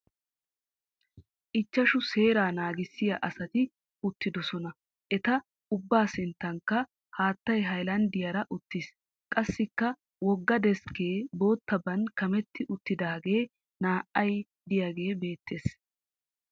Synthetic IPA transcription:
ʔɪt͡ʃːɐʃʊse̞ːɾaːnaːɡɪsːɪjɐ̰ʔɐsɐt̪ɪ | ʊt̪ːɪd̪ɔsɔnɐ | ʔɛt̪ɐ | ʊbːaːsɪnt̪ːɐŋkːɐ | haːt̪ːɐjɦɐjlɐnd̪ɪjɐɾɐʔʊt̪ːɪs | kʼɐsːɪkːɐ | wɔɡːɐd̪ɛske̞ːbo̞ːt̪ːɐbɐnkɐmɛt̪ːɪʔʊt̪ːɪd̪aːɡe̞ː | naːʔɐj | d̪ɪjaɡe̞ːbe̞ːt̪ːe̞ːs

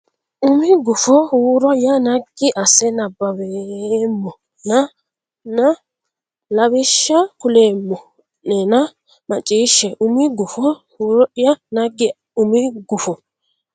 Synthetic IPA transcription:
ʊmɪɡʊfɔhuːɾɔjanaɡɪʔɐsɛnabːɐwemːɔ | na | na | lɐβɪʃːakʊleːmːɔ | nɛna | mɐt͡ʃʼiːʃɛʔʊmiɡʊfɔhuːɾjanaɡɪ | ʊmiɡʊfɔ

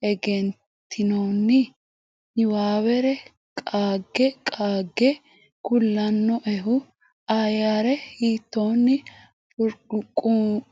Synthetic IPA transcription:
ɛɡɛn | t̪ʰːɪnoːnːɪ | ɪwaːwɛɾɛ | kʼaːɡːɛkʼaːɡːɛ | kʊlːɐnːɔʔɛɦʊ | ajaɾɛhiːt̪ːoːnːɪ | pʼʊɾkʼʊ

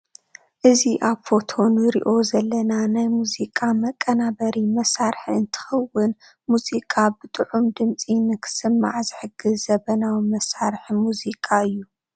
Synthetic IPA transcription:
ʔɨziʔaβfo̞t̪ʰo̞nɨɾḭʔo̞zɐlːɐnanajmuzikʼamɐkʼːɐnabɐɾimɐsaɾħiɨnt̪ʰɨ̥xɐwːɨn | muzikʼabɨt̪ʼɨʕumd̪ɨmt͡sʼinɨkʰɨ̥sɨmːa̰ʕzɨħɨɡɨzzɐβɐnawmɐsaɾħmuzikʼaɨjːu

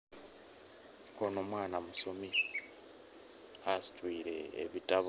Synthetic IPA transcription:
kono̞mwaːnamusomi | hasi̥twiːɾe̞̰ːβitaβ

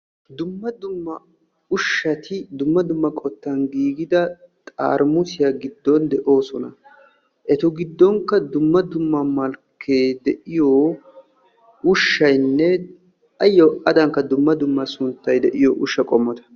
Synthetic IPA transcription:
d̪ʊmːɐd̪ʊmːɐ | ʊʃːɐt̪ɪd̪ʊmːɐd̪ʊmːɐkʼɔt̪ːɐnɡiːɡɪd̪ɐ | t̪ʼa̰ːɾmʊsɪjɐɡɪd̪ːɔnd̪ɛʔo̞ːsɔnɐ | ʔɛt̪ɔɡɪd̪ːɔŋkːɐd̪ʊmːɐd̪ʊmːɐmɐlkʰːeːd̪ɛʔɪjoː | ʊʃːɐjnːɛ | ɐjːɔʔɐd̪ɐŋkːɐd̪ʊmːɐd̪ʊmːɐsʊnt̪ːɐjd̪ɛʔɪjɔʔʊʃːɐkʼɔmːɔt̪ɐ̥

